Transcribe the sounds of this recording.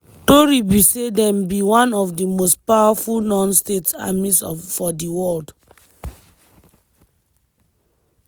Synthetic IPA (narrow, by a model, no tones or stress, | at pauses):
toɹibisedɛ̃mbiwãnɔvdimostpawafulnɔ̃nsteta̰misɔfɔdiwɔld